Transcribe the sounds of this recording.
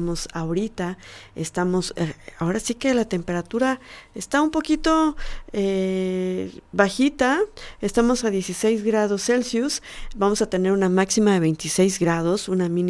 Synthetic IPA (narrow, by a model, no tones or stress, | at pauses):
mo̞saoɾit̪aest̪amo̞sao̞ɾasike̞lat̪e̞mpe̞ɾat̪uɾaest̪aumpo̞kit̪o̞e | βaxit̪aest̪amo̞saðje̞sise̞jzɣɾaðo̞sːe̞lsjusbamo̞sat̪e̞ne̞ɾunamaksimaðe̞β̞e̞jnt̪ise̞jzɡɾað̞o̞sunamĩn